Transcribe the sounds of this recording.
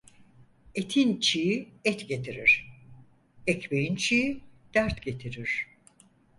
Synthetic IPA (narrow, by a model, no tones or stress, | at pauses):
et̪ʰint͡ʃʰijiɛt̪ɟe̞t̪ʰiɾḭɾ̥ | ɛcbejint͡ʃʰijid̪̥æɾt̪ɟe̞t̪ʰiɾiɾ̥